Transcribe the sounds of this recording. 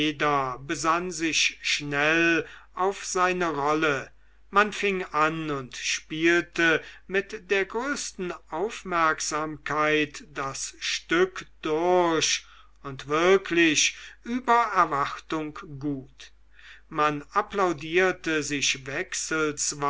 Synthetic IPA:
eːdɐbəzanzɪʃʃnɛlʔaʊfz̥aɪnəʁɔlə | manfɪŋanʊntʃpiːltəmɪtdeːɐɡʁøːstn̩ʔaʊfmɛɐkz̥aːmkʰaɪtd̥asʃtʏkd̥ʊɐʃ | ʊntv̥ɪɐkʰlɪʃʔyːbɐɛɐvaχtʊŋkɡuːt | manaplaʊdiːɐtəzɪʃvɛksəlsv

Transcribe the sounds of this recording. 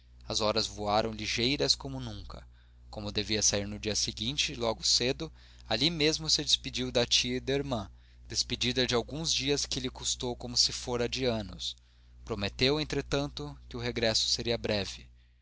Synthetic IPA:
ɐzɔɾɐzvoaɾɐ̃w̃liʒejɾɐskõmʊnũŋkɐ̰ | kõmʊd̪eviɐsaiɾnʊd͡ʒiɐsɪɡĩt͡ʃɪlɔɡʊsed̪ʊ | alimezmʊsɪd͡ʒɪspid͡ʒiwd̪ɐt͡ʃiɐid̪ɐiɾmɐ̃ | d̪̥esped͡ʒid̪ɐd͡ʒɪawɡũzd͡ʒiɐskɪlɪkust̪owkomʊsɪfoɾɐd͡ʒɪɐ̃nʊ̰s | pɾomet̪ewẽnt̪ɾet̪ɐ̃nt̪ʊkɪʊɦeɡɾɛsʊ̥seɾiɐbɾɛvɪ

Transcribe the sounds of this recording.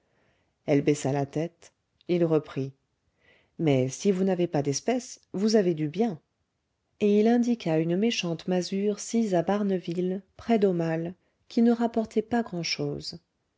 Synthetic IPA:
ɛlbesalat̪ɛt̪ | ilʁəpχi | mɛsivunavepad̪ɛspɛsvuzaved̪ybjɛ̃ | eilɛ̃d̪ikʰaynmeʃɑ̃t̪mazyʁsizabaʁnəvilpχɛd̪omal | kʲʰinəʁapɔʁt̪ʰɛpaɡʁɑ̃ʃoːz

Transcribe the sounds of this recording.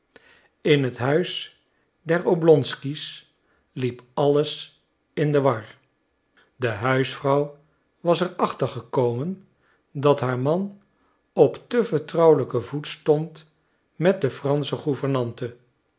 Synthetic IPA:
ɪnɦətɦœɥs | dɛɹowblɔnskis | lipɑləs | ɪndəʋɑɹ | dəɦœɥsfrɑw | ʋɑsɛɹɑχtəɹχəkowmən | dɑtɦaːɹmɑn | ɔptəvəɹtrɑwləkəvutstɔnt | mɛt̚dəfrɑnsəχuvəɹnɑntə

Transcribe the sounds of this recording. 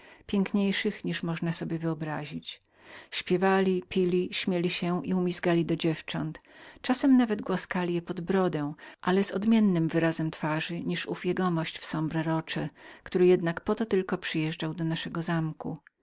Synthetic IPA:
pʲjɛŋkɲejʂɘxɲiʂmɔʐnasɔbʲjɛvɘɔbɾa̰ʑit͡ɕ | ɕpʲjɛvalʲipʲilʲiɕmʲjɛlʲiɕɛiumʲisɡalʲid̪ɔd͡ʑɛft͡ʂɔnt̪t͡ʂasɛmnavɛd̪ɡwaskalʲijɛpɔd̪bɾɔd̪ɛ̃w̃ʔalɛzɔd̪mʲjɛnːɘmvɘɾazɛmt̪faʐɘɲiʂufʲjeɡɔmɔɕt͡ɕfsɔmbɾɛɾɔt͡ʂɛkt̪uɾɘjɛd̪nakpɔt̪ɔt̪ɘlkɔpʂɘjɛʐɖawd̪ɔnaʂɛɡɔzamkṵ

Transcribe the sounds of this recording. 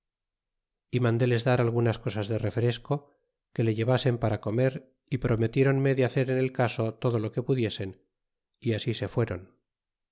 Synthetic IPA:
imãnd̪e̞le̞zðaɾalɣ̞unasko̞sazðe̞re̞fɾe̞sko̞ | ke̞le̞ʝe̞βase̞mpaɾako̞me̞ɾ | ipɾo̞me̞t̪je̞ɾo̞nme̞ðeaθe̞ɾene̞lkaso̞t̪o̞ð̞o̞lo̞ke̞puðje̞se̞n | iasise̞fwe̞ɾo̞n

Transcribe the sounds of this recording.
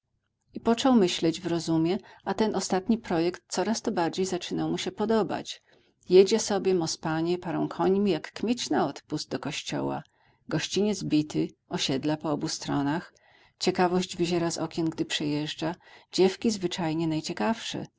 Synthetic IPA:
ipɔt͡ʂɔwmɘɕlɛd͡ʑvɾɔzumʲjɛʔat̪ɛnʔɔst̪at̪ɲipɾɔjɛkt̪̚t̪sɔɾast̪ɔbaɾd͡ʑejzat͡ʂɘnawmuɕɛpɔd̪ɔba̰t͡ɕ | jed͡ʑɛsɔbʲjɛmɔspaɲɛpaɾɔ̃w̃kʰɔɲmʲijakːmʲjet͡ɕnaɔt̪puzd̪̚d̪ɔkɔɕt͡ɕɔ̰wa̰ | ɡɔɕt͡ɕiɲɛd̪zbʲit̪ɘɔɕɛd̪lapɔɔbust̪ɾɔnax | t͡ɕɛkavɔʑd͡ʑvɘʑɛɾazɔ̰kʲɛnɡd̪ɘpʂɛjɛʐd͡ʐad͡ʑɛfkʲizvɘt͡ʂajɲɛnajt͡ɕɛkafʂɛ̰

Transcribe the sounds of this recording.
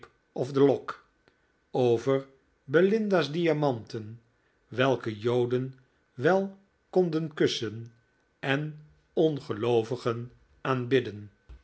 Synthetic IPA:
p | ɔvdəlɔk | owvəɹ | bəlɪndazdiamɑntən | ʋɛlˠkəjowdən | ʋɛlˠ | kɔndənkɵsən | ɛn | ɔnχəlowvəχən | aːnbɪdən

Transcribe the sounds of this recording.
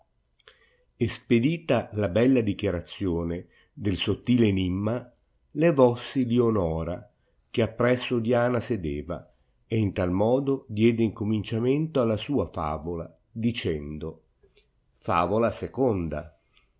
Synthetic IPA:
esped̪iːt̪alabɛlːad̪ikjaɾat̪sːjoːne | d̪elsot̪ːiːlenimːa | levɔsːilionɔːɾa | k̟eapːɾɛsːod̪jaːnased̪eːva̰ | eint̪almɔːd̪od̪jɛːd̪eiŋkomint͡ʃament̪oalːasuːafa̰ːvola̰ | d̪it͡ʃɛnd̪o | fa̰ːvolasekond̪a̰

